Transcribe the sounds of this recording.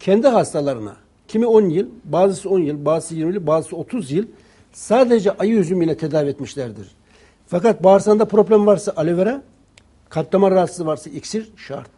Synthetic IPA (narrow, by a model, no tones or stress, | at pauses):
cʰɛnd̪iɦast̪ʰalˠaɾɯna̰ | cʰimio̞njilʲbaːzɯsɯo̞njɯlʲˠbaːzɯsɯjiɾmilʲibaːzɯsɯo̞t̪ʰuzjɯlʲ | saːd̪ed͡ʒɛʔajɯjyzymilʲɛt̪ʰed̪aːviɛt̪miʃlʲæɾd̪ḭɾ̥ | fakat̪̚baːɾsand̪apʰɾo̞plʲæmvaɾsaʔalʲiveɾɛ | kʰat̪lˠamaɾaat̪sɯvaɾsaʔicsiɾʃa̰ɾt̪̚